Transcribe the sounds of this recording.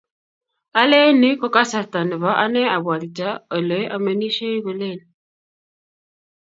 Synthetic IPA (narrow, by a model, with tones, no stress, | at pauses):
a˦le˦ni˦kɔ˦ka˦sa˨ta˨nɪ˨βa˦ʔa˦nɛ˦a˨bwa˨ɾi˨ta˦ɔ˨lə˨˦jʔa˨me˨ni˦ʃe˦i˦ɣo˨le˦˨n